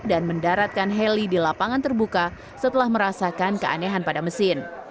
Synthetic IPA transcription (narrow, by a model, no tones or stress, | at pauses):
danməndaɾat̪̚kanɦɛlidilapaŋant̪ərbuka | sət̪əlahməɾasakankəʔa̰neɦanpadaməsɪn